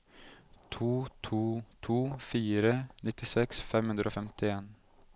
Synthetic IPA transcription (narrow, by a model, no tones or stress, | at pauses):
t̪ʰuːt̪ʰuːt̪ʰuːfiːɾənɪt̪ɪsɛksfɛmhʉnd̪ɾʔoːfɛmt̪ɪeːn